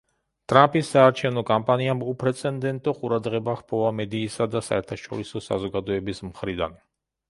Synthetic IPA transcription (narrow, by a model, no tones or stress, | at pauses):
t̪ʼɾampʼisːaːɾt͡ʃʰɛvnɔkʼampʼaniamupʰɾɛt̪sʰʼɛnd̪ɛnt̪ʼɔqʼuɾad̪ʁɛbaχpʰɔvamɛd̪iːsad̪asa̰ɛɾt̪ʰaʃɔ̰ɾisɔsa̰zɔɡad̪ɔɛbismχɾid̪a̰n